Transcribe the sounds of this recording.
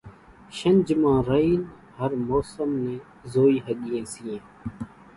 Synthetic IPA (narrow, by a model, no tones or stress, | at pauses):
ʃənd͡ʒmãːɾəiːn | həɾmoːsəmnẽː | zoːiːɦəɠiːẽːsiːẽː